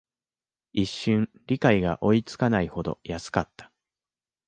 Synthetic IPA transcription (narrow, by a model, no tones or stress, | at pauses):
iɕːɨ̃ɴ | ɾʲikaiɡaʔo̞it͡sɨ̥kanaiho̞d̪o̞̰jasɨ̥kat̪ːḁ